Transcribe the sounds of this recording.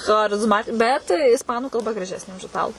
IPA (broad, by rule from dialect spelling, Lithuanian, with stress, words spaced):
xɐrʲɪzˈmɐt ˈbʲɛt ɪsˈpɑːnʊ kɐlˠˈbɐ ɡrɐˈʒʲæːsʲnʲeː ʊʃ ɪˈtɑːlˠʊ